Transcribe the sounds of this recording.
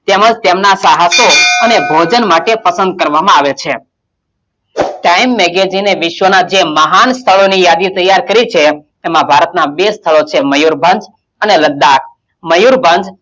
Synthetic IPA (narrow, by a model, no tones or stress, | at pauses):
t̪emãd͡ʒt̪emnasaɦasoənebʱod͡ʒənmaʈepəsə̃nd̪̚kəɾʋamãaʋet͡ʃʰe | ʈaimːɛɡed͡ʒineʋɪʃʋənad͡ʒeməɦanst̪ʰəɭonijad̪it̪əjaɾkəɾit͡ʃʰe | emãbʱaɾət̪nabest̪ʰəɭot͡ʃʰeməjuɾbʱə̃nd͡ʒ | əneləɡ̚d̪ak̚ʰ | məjuɾbʱənd͡ʒ